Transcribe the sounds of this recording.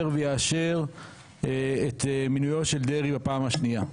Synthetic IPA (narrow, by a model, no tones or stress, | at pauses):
ʁvejaːʃe̞ʁ | et̪minujo̞tʃe̞ld̪eʁibapaːmaʃnia